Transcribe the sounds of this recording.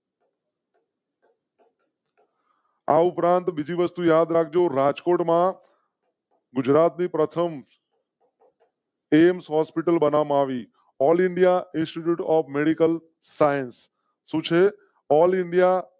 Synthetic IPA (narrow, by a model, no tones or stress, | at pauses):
a̰ʊpɾãnt̪ɓɪd͡ʒʱiʋəst̪ujaːd̪ɾak̚ʰd͡ʒoɾaːd͡ʒkoːʈmã | ɡʊd͡ʒɾaːt̪nipɾət̪ʰəm | emsɦɔːspɪʈəlɓənaʋmaːʋi | ɔːlɪɳɖijaɪ̃nsʈiʈjuːʈɔːfmeɽikəl | saːjənsː | ũt͡ʃʰe | ɔːlɪɳɖija